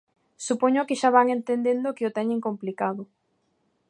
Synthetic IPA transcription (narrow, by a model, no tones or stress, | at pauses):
supoɲokɪʃaβaŋent̪end̪end̪okɪot̪ɛɲɪ̃ŋkomplikaðʊ